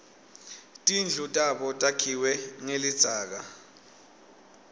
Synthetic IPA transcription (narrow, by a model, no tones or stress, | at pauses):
tʼind͡ɮʱutʼaɓɔtʼakʰiwɛŋelid̥z̥ʱaːk̬a